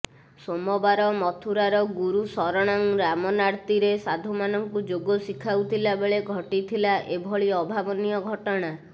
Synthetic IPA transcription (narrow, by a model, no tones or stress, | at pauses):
somɔbaɾɔmɔt̪ʰuɾaɾɔɡuɾusɔɾɔɽ̃aŋɾamɔnaɾt̪iɾesad̪ʱumanɔŋkud͡ʒoɡɔsikʰawt̪ʰilabeɭeɡʱɔʈit̪ʰilaʔebʱɔɭiɔbʱabɔnijɔɡʱɔʈɔɽ̃a